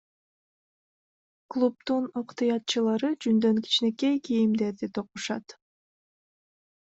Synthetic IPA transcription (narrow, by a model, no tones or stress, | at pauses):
klˠup̚t̪unoqt̪ɯjɑt̪̚t͡ʃɯlˠɑɾɯd͡ʒynd̪ø̞ŋki̥t͡ʃne̞ke̞jkijimd̪e̞ɾd̪it̪ʰoquʃɑt̪